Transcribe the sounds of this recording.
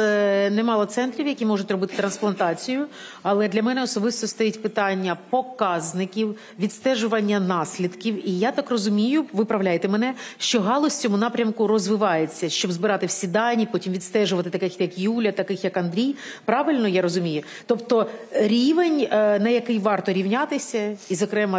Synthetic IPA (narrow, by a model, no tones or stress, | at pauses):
nɛmɑlˠɐt̪sɛnt̪ɾʲiwjɐkʲimɔʐʊtʲrɔbɪt̪ɪ̥t̪ɾɐnsplˠɐnt̪ɑt͡sʲijʊ | ɐlˠɛd̪lʲɐmɛnɛɔsɔbɪst̪ɔst̪ɔjitʲpɪt̪ɑnʲːɐpɔkɑznɪkʲiw | ʋʲit̪st̪ɛʒʊʋɐnʲːɐnɑsʲlʲid̪kʲiwijat̪ɑkrɔzʊmʲijʊʋɪpɾɐwlʲajet̪ɛmɛnɛʃt͡ʃɔɦɑlˠɔsʲt͡sʲɔmʊnɑpɾʲɐmkʊɾɔzʋɪʋɑjet͡sʲːɐʃt͡ʃɔbzbɪɾɑt̪ɪwsʲid̪ɑnʲipɔtʲimʋʲit̪st̪ɛʒʊʋɐt̪ɪt̪ɐkɪxjɐkjulʲɐt̪ɐkɪxjɐkɐnd̪ɾʲijpɾɑʋɪlʲnɔjaɾɔzʊmʲijʊ | t̪ɔpt̪ɔɾʲiʋenʲnɐjɐkɪjʋɑrt̪ɔɾʲiwnʲat̪ɪsʲɐizɔkɾɛmɐ